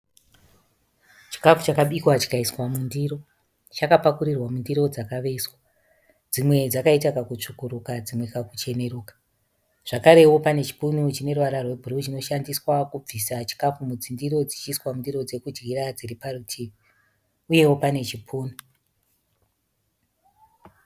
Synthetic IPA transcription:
t͡ʃi̥kafut͡ʃakaɓikwat͡ʃi̥kaiswamundiro̞ | t͡ʃakapakuɾirwamundiɾo̞d͡zakaʋe̞swa | d͡zimwe̞d͡zakaitakakut͡ʂukuɾukad͡zimwekakut͡ʃe̞ne̞ɾuːkḁ | ʐ̥akaɾe̞wo̞pane̞t͡ʃi̥punut͡ʃine̞ruʋaɾarwe̞bʱurut͡ʃino̞ʃandiswakub͡visat͡ʃi̥kafumud͡zindiɾo̞d͡zit͡ʃiswamundiro̞d͡ze̞kud͡ʒɣiɾad͡ziriparutʰiːmi | uje̞wo̞pane̞t͡ʃipʰuːnu

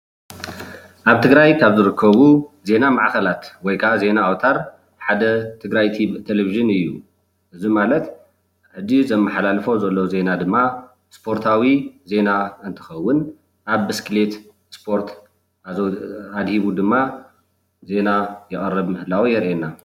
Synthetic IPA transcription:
ʔaβt̪ʰɨɡɾajkʰaβzɨɾɨkʰːɐβuze̞namaʕkɐlat̪wɔjkʰaze̞naawt̪ʰaɾ | ħad̪ɐt̪ʰɨɡɾajt̪ʰiβt̪ʰeleviʒɨnɨjːu | ʔɨzimalɐt̪ | ħɨd͡ʒizɐmːɐħalalfo̞zɐlːo̞ze̞nad̪ɨmːa | spʰo̞ɾt̪ʰawize̞naɨnt̪ʰɨ̥xɐwːʊn | ʔaβːɨskʰɨle̞t̪ | spʰo̞ɾt̪ | ad̪hiβud̪ɨmːa | ze̞najɛχʼɐrːɐβmɨhɨlawijɛɾʔena

